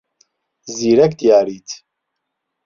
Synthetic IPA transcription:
ziːɾɛkd̪ijaːɾiːt̪ʰ

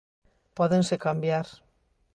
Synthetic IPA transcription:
pɔðensekambjaɾ

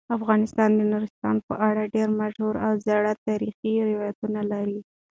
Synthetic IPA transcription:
afɣɑnɪst̪ɑnd̪ənaɾɪst̪ɑ̰npəʔaɽaɖeɾmaʒhuɾawzaɽat̪ɑɾixiɾɪwɑjat̪unalaɾi

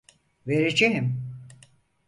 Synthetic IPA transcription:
veɾid͡ʒeɦim

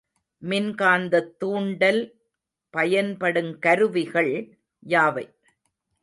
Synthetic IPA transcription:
mɪnkaːnd̪ɐt̪ːuːɳɖɐl | pɐjɐnpɐɽɯmkɐɾɯʋɪɣɐɭ | jaːʋɐɪ

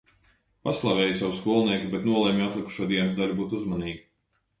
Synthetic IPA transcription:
paslˠavɛːjusawskuɔlˠniɛkʲibɛt̪nuɔlˠɛmʲjat̪lˠiku̥ʃuɔd̪iɛnusd̪aʎʲubuːt̪uzmaniːɡi

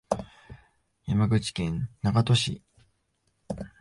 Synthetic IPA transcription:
jamaɡɯ̟t͡ɕi̥kẽ̞nnaɡat̪o̞ɕḭ

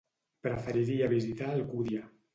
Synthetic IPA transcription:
pɾəfəɾiɾiaβizit̪aəlkuðja

